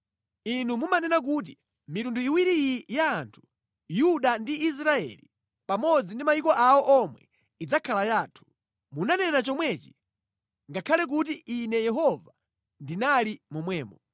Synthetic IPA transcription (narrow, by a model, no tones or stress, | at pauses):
inumumanɛnak̬ut̬i | mitunduiwiɾijaːntʰu̥ | juɗandiis̬ɾaɛ̰li | pamɔd͡zindimajikɔʔawɔʔɔmwɛ̰ | id͡zakʰalajaːtʰu̥ | munanɛnat͡ʃɔmwɛt͡ʃi̥ | ŋɡakʰalɛk̬ut̬iʔinɛjɛɦɔva | ndinalimɔmwɛːmɔ